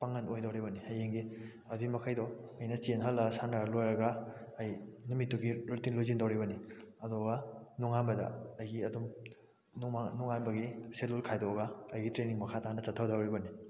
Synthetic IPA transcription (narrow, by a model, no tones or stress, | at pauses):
paŋɐnojdɐwɾibɐniɐjeŋɡi | ɐdiimɐkʰajdɔɐjnɐt͡ʃenɦɐlːɐsanaɾlojɾɐɡɐɐjnumitːuɡiɾutinlojzindɐwɾibɐniɐdɔɡanuŋambɐdɐ̰ɐjɡiɐdum | anuŋanbɐɡiselulkʰajdɔɡɐːjɡitɾeniŋmɐkʰatanɐt͡ʃɐtʰːawdawɾibɐni